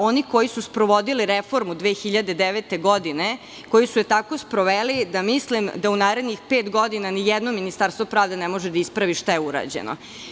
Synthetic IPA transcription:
o̞niko̞jisuspɾoʋo̞d̪iliɾefo̞ɾmud̪ʋeːxiʎad̪ed̪eʋet̪e̞ɡo̞d̪ine | ko̞jisujet̪ako̞spɾoʋeːlid̪amislimd̪aunaːɾe̞d̪nixpeːt̪ɡo̞d̪inanijɛd̪nominist̪aɾst̪vopɾaːvd̪e̞nemo̞ʒed̪aispɾaʋiʃt̪ajeuɾa̰d͡ʑḛno̰

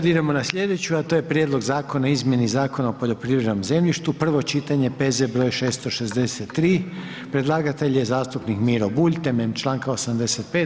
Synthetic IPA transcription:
d̪id̪emo̞nasʎe̞d̪e̞t͡ɕuat̪ojepɾjed̪lo̞ɡzaːko̞naizmje̞nizaːko̞naopo̞ʎo̞pɾiːʋɾed̪omze̞mʎiʃt̪upr̩ʋo̞t͡ʃit̪aɲe̞pezebɾo̞ːjʃe̞ːst̪o̞ʃezd̪eset̪ːɾiː | pɾe̞d̪lˠaːɡat̪e̞ʎjezaːst̪upnikmiːɾobuʎʲt̪ememt͡ʃlˠaːŋkaosamd̪eset̪̚peːt̪

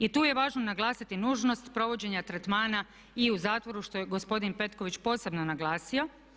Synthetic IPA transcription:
it̪uːje̞ʋaːʒnonaɡlˠaːsit̪inuːʒno̞st̪pɾo̞ʋo̞d͡ʑe̞ɲat̪ɾet̪maːna | iuzaːt̪ʋo̞ɾuʃt̪o̞jeɡo̞spo̞d̪inpe̞t̪ko̞ʋit͡ɕpo̞ːse̞bnonaɡlˠaːsio̞

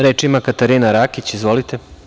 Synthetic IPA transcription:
ɾeːt͡ʃimakat̪aɾinaɾakit͡ɕizʋolit̪e

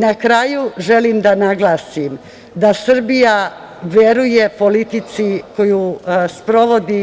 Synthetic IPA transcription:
nakɾajuʒe̞limd̪anaɡlˠaːsim | d̪asr̩bija | ʋeɾujepo̞lit̪it̪siko̞juspɾo̞ʋo̞d̪i

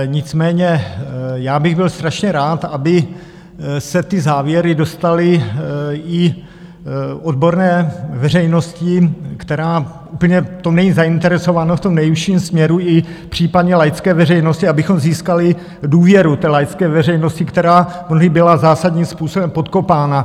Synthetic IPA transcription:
ɲɪt͡smɛːɲɛjaːbɪɣbɪlst̪ɾaʃɲɛɾaːt̪abɪ | sɛt̪ɪzaːvjɛɾɪdo̞st̪alɪ | ɪ | ʔo̞dbo̞ɾnɛːvɛr̝ɛjno̞scɪkt̪ɛɾaːʔuːpl̩ɲɛt̪onɛɲiːzaɪnt̪ɛɾɛso̞vanoft̪o̞mnɛjifʃiːmsmɲɛɾuɪpr̝̥iːpadɲɛlajt͡skɛːvɛrɛjno̞scɪabɪxo̞mziːskalɪ | duːvjɛɾut̪ɛːlajt͡skɛːvɛrɛjnoscɪkt̪ɛɾaːmnoɦɪbɪlazaːsadɲiːmspuːsobɛmpo̞t̪ko̞paːna

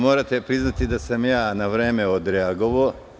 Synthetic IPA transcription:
mo̞ːɾat̪epɾiznat̪id̪asamjaːnaʋɾeːmeod̪ɾeaɡo̞ʋo

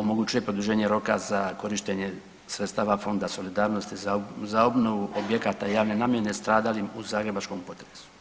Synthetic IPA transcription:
o̞moɡut͡ʃuje̞pɾo̞d̪uʒeːɲeɾo̞ka̰zako̞ɾiʃt̪eɲe̞ | sɾest̪aːʋafo̞nd̪aso̞lid̪aːɾno̞st̪izao̞bno̞ʋuʔobje̞kat̪ajaːʋne̞naːmjenest̪ɾaːd̪alimuzaːɡɾe̞bat͡ʃko̞mpo̞t̪ɾesu̥

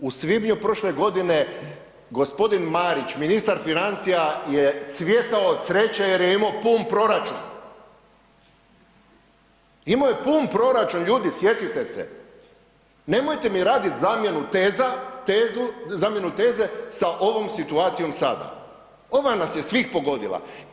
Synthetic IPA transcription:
usʋibɲupɾo̞ʃle̞ɡo̞d̪ine̞ | ɡo̞spo̞d̪inmaɾit͡ʃminist̪aɾfinant̪sijajesʋje̞t̪aosɾe̞t͡ɕajeɾjeimopuːnpɾo̞ɾat͡ʃṵn | imojepuːnpɾo̞ɾat͡ʃunʎuːd̪isje̞t̪it̪e̞sḛ | ne̞mo̞jt̪e̞miɾaːd̪it̪zamjenut̪ezat̪ezuzaːmje̞nut̪e̞ːze̞saʔo̞ʋo̞msit̪uaːt̪sijo̞msa̰d̪a̰ | o̞ʋanasje̞sʋixpo̞ɡo̞d̪ḭla̰

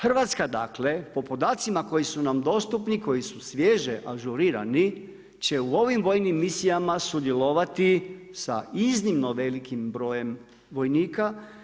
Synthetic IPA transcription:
xr̩ʋat̪skad̪aːkle̞po̞po̞d̪aːt̪simako̞jisunamd̪o̞st̪upniko̞jisusʋje̞ʒeʔaʒuɾiɾa̰ni | t͡ɕe̞uo̞ʋimʋo̞jnimːisijamasud̪je̞lo̞ʋat̪isa̰iznimno̞ʋe̞likimbɾo̞ːje̞m | ʋo̞jniːka

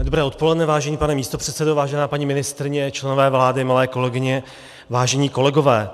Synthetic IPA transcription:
dobɾɛːʔo̞t̪̚po̞lɛdnɛvaːʒɛɲiːpanɛmiːst̪o̞pr̥ɛt̪sɛdovaːʒɛnaːpaɲiːmɪnɪst̪ɾɪɲɛt͡ʃlɛnovɛːvlaːdɪmalɛːko̞lɛɡɪɲɛ | vaːʒɛɲiːko̞lɛɡo̞vɛː

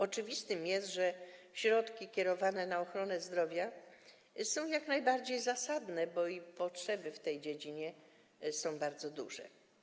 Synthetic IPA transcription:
ɔt͡ʂɘvʲist̪ɘmjɛst̪ʐɛ | ɕɾɔt̪kʲikʲɛɾɔvanɛnaɔxɾɔnɛzd̪ɾɔvʲja | sɔ̃w̃jaknajbaɾd͡ʑejzasad̪nɛbɔipɔtʂɛbɘft̪ɛjd͡ʑed͡ʑiɲɛ | sɔ̃w̃baɾd̪zɔd̪ṵʐɛ̰

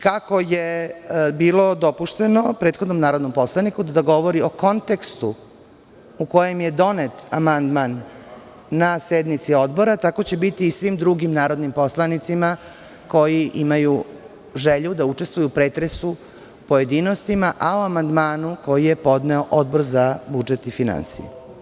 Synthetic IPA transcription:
kako̞jebiːlˠo̞d̪o̞puʃt̪e̞nopɾe̞ːt̪xo̞d̪no̞mnaːɾod̪no̞mpo̞slˠanikud̪d̪aɡo̞ʋo̞ɾio̞ko̞nt̪e̞kst̪u | uko̞je̞mje̞d̪o̞net̪amand̪manː | ased̪nit̪sio̞d̪bo̞ɾat̪ako̞t͡ɕe̞bit̪iːsʋimd̪ɾuɡimnaːɾo̞d̪nimpo̞slˠanit̪sima | ko̞jiʔimaju | ʒeʎud̪aut͡ʃest̪ʋujupɾe̞ːt̪ɾesu | po̞je̞d̪inost̪imaʔaoamand̪maːnuko̞jije̞po̞d̪ne̞oʔo̞d̪bo̞ɾzabud͡ʒet̪ifina̰nsḭjḛ

